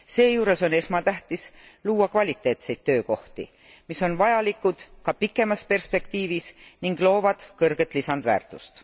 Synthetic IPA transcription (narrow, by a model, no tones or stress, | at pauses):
se̞ːjuːɾe̞so̞ne̞smɑt̪æht̪isluːɑkvɑlʲit̪ːˑe̞ːt̪se̞jd̪̥̚t̪ːøːko̞ht̪ḭ | miso̞nvɑjɑlikːˑud̪̥kɑpikːˑe̞mɑspe̞rspe̞kt̪iːvisniŋɡ̥lo̞ːvɑd̪̥kɤrɡ̥e̞t̪ˑlisɑnd̪væ̰ːrt̪ˑust̪